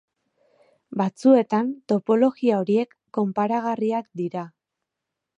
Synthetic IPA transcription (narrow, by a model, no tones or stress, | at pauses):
bat͡sue̞t̪ant̪o̞po̞lo̞ɣiao̞ɾie̞kːo̞mpaɾaɣariakd̪iɾa